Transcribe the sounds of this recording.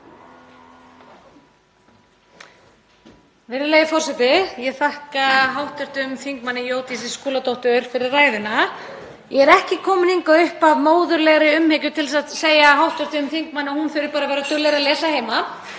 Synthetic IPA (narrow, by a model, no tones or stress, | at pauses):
vɛɾɪleːjɪfɔr̥sɛt̪ɪjɛɣθahkaɦawht̪œɾ̥t̪ɪʏmθiŋkmanːɪjoːwt̪isɪskuːlat̪ɔwht̪ʏɾ̥fɪɾɪrːaːjðɪna | jɛɣɛɾɛhcɪkʰɔːmʏniŋkaʏhpavmoːwðʏɾlɛɣɾɪʏmheːcʏt̪ʰɪlsaðseːjaɦawht̪œɾ̥t̪ɪʏmθiŋk̚manːɪɔhunfɪɾɪɾpaːɾavɛːɾat̪ʏlɛɾalɛːsaheːjma